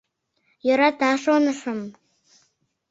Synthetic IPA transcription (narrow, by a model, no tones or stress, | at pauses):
joɾɑt̪ɑʃonə̆ʃəm